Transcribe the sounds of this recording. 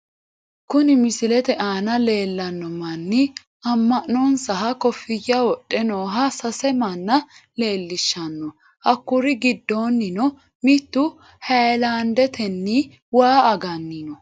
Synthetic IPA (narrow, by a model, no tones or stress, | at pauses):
kʊnɪmɪsɪlɛt̪ɛʔaːnɐle̞ːlːɐnːɔmɐnːɪ | ɐmːɐʔnːɔnsɐɦɐkɔfːɪjːɐwɔɗʼːɛnoːɦɐsɐsɛmɐnːɐle̞ːlːɪʃːɐnːɔ | ʔɐkːʊɾɪɡɪd̪ːo̞ːnːɪnɔ | mɪt̪ːʊ | hɐjlaːnd̪ɛt̪ɛnːi | waːɐɡɐnːɪnɔ